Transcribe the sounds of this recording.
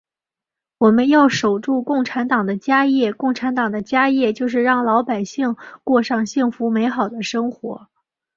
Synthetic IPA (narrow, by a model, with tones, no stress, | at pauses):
wɔ˨˩mə˦njɑ˥˩ʊʂo˨˩ʊʈ͡ʂu˥˧kʊ˥˩ŋʈ͡ʂʰa˧˥nt̪ɑ˨˩ŋd̪ə˦t͡ɕja˥jɛ˥˩kʊ˥˩ŋʈ͡ʂʰa˧˥nt̪ɑ˨˩ŋd̪ə˦t͡ɕja˥jɛ˥˧t͡ɕjo˥˧ʊʂ̬ɻ̩˥˧ɻɑ˥˩ŋlɑ˧˥ʊpa˨˩ɪɕi˥˧ŋkwɔ˥˧ʂɑ˥˧ŋɕi˥˩ŋfu˧˥me˧˥ɪxɑ˨˩ʊd̪ə˦ʂɤ˥ŋxwɔ̰˧˥